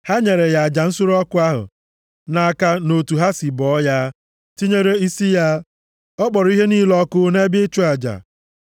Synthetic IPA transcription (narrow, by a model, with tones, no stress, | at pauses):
ha˦ɲe˨ɾe˨ja˨a˨d͡ʒa˨n̩˦sʊ˦ɾɔ˦kʊ˦a˦ɦʊ̰˨ | na˨ka˦no˨tu˨ɦa˦si˨bɔ˨˦ja˦ | ti˦ɲe˦ɾe˦i˦si˦ja˦ | ɔ˦k͡pɔ˨ɾʊ˨˦i˦ɦe˦niː˦lɔ˦kʊ˦ne˦bɪ˦t͡ʃu˦a˨d͡ʒa̰˨